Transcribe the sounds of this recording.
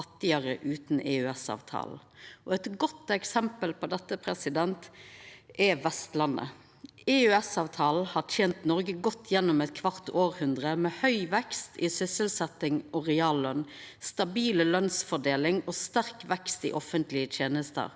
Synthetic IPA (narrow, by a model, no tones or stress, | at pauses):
ɑt̪ːɪəʁəʔʉːt̪nɛʉɛsɑ̰ːʋt̪ʰɑ̰ːl̩ʔɔɛt̪ɡɔt̪ɛksɛmpəlpʰɔd̪ɛt̪ːəpʰɾɛsɪd̪ɛnt̪ | ɛʋɛst̪lɑnːə̰ | ɛʉɛsɑːʋt̪ʰɑːl̩hɑːt̪ʰjeːnt̪nɔɾɡəɡɔt̪ʰːjɛnːʊmɛt̪kʰʋɑʁt̪ʰoːɾhʉnd̪ʁəmɛhœʏʋɛkst̪ʰɪsʏsəlsɛt̪ːɪŋɔʁɛɑːllœnst̪ɑbiːləlœnsfɔɖ̪eːlɪŋɔst̪æʁkʋɛkst̪ɪ̰ʔɔfənt̪lɪət̪ʰjeːnəst̪ə̰ɾ